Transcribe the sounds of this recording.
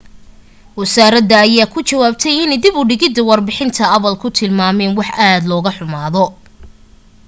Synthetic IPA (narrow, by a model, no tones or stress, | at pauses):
wɐsaːɾɐd̪ɐːjaːkʰʊt͡ʃɐwaːb̚t̪ʰɛjɪnɛjd̪ɪbʊɖɪɣɪd̪ːɐwɑrbɪħɪnt̪ʰɐɐβɐlkʰʊt̪ʰɪlmaːmɛːnwɑħʔaːd̪lɔːɣɐħʊmaːðɔ